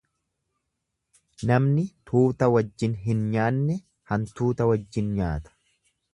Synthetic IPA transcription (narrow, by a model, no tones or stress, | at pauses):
nɐmnɪt̪ʰuːt̪ɐwɐd͡ʒːɪnɦɪnɲaːnːɛ | hɐnt̪uːt̪ɐwɐd͡ʒːɪnɲaːt̪ɐ̥